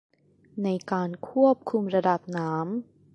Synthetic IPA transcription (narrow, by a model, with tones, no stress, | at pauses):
na˧jkaː˧nkʰu˥˩əp̚kʰu˧mɾa˧da˨˩p̚naː˦˥m